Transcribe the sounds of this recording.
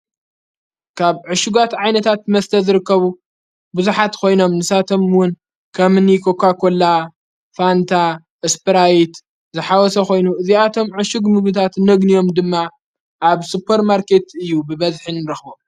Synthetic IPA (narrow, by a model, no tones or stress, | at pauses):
kʰaβʕɨʃuɡat̪ʕajnɐt̪ʰat̪̚mɐst̪ʰɐzɨɾɨkːɐβu | buzuħat̪kʰo̞jno̞mnɨsat̪ʰo̞mwʊn | kʰɐmɨnikʰo̞kʰakʰo̞la | fant̪ʰa | ʔespɨɾajt̪ | zɨħawɔsɐxo̞jnuʔɨziat̪ʰo̞mʕɨʃuɡmɨɡɨt̪ʰat̪nɐɡnijo̞md̪ɨmːa | ʔːβsupʰːɐɾmaɾkʰe̞t̪ɨjːubɨβɐzħinɨɾɨxbom